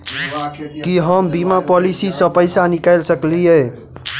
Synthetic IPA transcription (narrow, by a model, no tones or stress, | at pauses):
kiɦəmbimapɔlisisʌpəjsanikajlsəklijej